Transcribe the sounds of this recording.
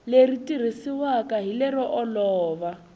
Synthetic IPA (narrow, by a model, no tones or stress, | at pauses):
leritʼir̤isiwakʼaɦilɛrɔʔɔlɔːβa